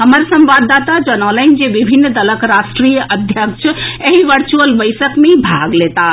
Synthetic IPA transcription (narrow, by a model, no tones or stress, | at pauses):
ɦəməɾsə̃mbad̪at̪ad͡ʒənələ̃nd͡ʒeʋibʱinːd̪ələkɾasʈɾijəʔəd̪ʱjək̚t͡ʃʰeɦiʋəɾt͡ʃuəlʋəɪjsəkmeibʱaɡlet̪a